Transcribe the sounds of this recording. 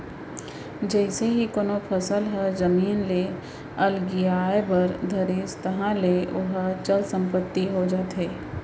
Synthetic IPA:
d͡ʒɛɪseɦikoːnopʰɐsəlɦɛzɐmiːnle | ɐlɡijaːebəɾd̪ʱɐɾiːst̪ɐɦãleʊɦat͡ʃəlsə̃mpət̪ːiɦod͡ʒaːt̪ɦeː

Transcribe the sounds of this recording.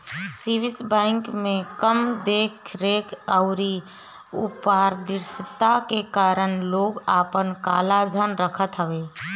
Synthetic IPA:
sibɪsbɛ̃ɪŋkmẽkəmd̪eːkʰɾeːkʰəʊɾi | ṵpaɾd̪ɪɾst̪akekaːɾənloːɡaːpənkaːlad͡ʒʱənɾəkʰət̪ɦəbeː

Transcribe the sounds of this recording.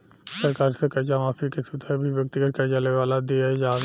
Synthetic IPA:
səɾkaːɾsekɐɾd͡ʒamaːfikesut̪ʰəbʱiʋjək̚t̪iɡət̪̚kɐd͡ʒaleʋaːlad̪iaɦd͡ʒaːd̪

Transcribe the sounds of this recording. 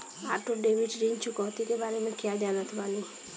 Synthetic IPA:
aːʈoɖeʋiɖɾint͡ʃʰukɔɦt̪ikebaːɾemẽkijaɖjanat̪ʰbaːni

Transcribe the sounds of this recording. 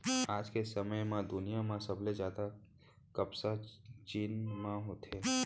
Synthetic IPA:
aːd͡ʒkesɐməjmãd̪ʊnijamãsɐblezaːd̪a | kɐbsat͡ʃiːnmãɦot̪ʰeː

